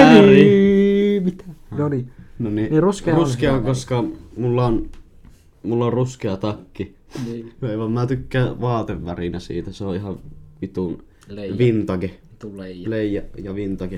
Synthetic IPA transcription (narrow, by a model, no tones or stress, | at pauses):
æri | mit̪ænoninoniniruskeruskeoŋkoskɑmulːɑon | mulːɑorruskeɑt̪ɑkːi | eˑʋɑmmæːt̪ykːæːʋɑːt̪eʋʋærinæsḭːt̪æseoʔʔihɑʋʋit̪un | ʋint̪ɑke | leˑijæjɑʋint̪ɑke